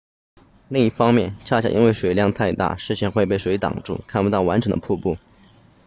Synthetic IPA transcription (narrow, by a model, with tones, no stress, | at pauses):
li˥˩˧ŋi˥˩fɑ˥ŋmjɛ˥˩nt͡ɕʰja˥˧˩ɕja̰˥˩ʔḭ˥we˥˩ɪʂwe˨˩ɪljɑ˥˧ŋt̪ʰa˥˧ɪt̪a̰˥˩ʂɻ̩˥˧t͡ɕʰjɛ˥˧nxwe˥˧ɪpe˥˩ʂwe˧˥ɪt̪ɑ̰˨˩ŋʈ͡ʂṵ˥˩kʰa˥˩npu˥t̪ɑ˥˩ʊwa˧˥nʈ͡ʂʰɤ˧˥ŋd̪ə̰˧pʰu˥˧pu˥˩